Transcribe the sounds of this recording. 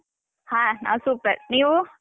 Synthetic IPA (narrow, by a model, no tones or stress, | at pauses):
hãna̰suːpəɾnio